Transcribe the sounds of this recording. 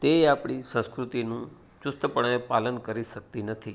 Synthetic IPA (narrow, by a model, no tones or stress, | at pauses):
t̪eapɽ̃isə̃skɾut̪inũ | t͡ʃʊst̪əpəɽ̃epalənkəɾiʃək̚t̪inət̪ʰi